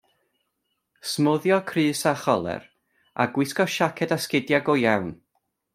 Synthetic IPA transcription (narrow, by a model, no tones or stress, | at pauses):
smʊðjɔkʰrɨːsaχɔlˠɛ̰r | a̰ɡwɪskɔʃakʰɛdaskɪdjaɡɔjawn